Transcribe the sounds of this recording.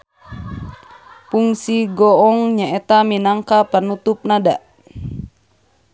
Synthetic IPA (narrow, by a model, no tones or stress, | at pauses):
puŋsiɡɔɔŋɲaɛt̪aminaŋkapənut̪up̚nada̰